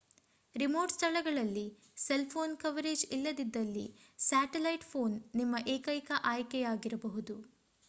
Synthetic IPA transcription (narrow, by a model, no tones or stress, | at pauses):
ɾimoːɾʈst̪ʰɐɭɐɡɐɭɐlːi | selpʰo̞ːnkɐʋɐɾeːd͡ʒilːɐd̪id̪ːɐlːisaːʈelɐjʈpʰo̞ːnːimːɐʔeːkɐjkɐʔaːjkɛjaːɡiɾɐbɐɦud̪u